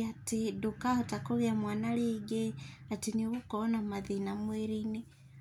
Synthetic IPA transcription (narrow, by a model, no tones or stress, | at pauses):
atidukahotakoɣjamwaːnaliːɡeatiniβukonamaðinamweɾini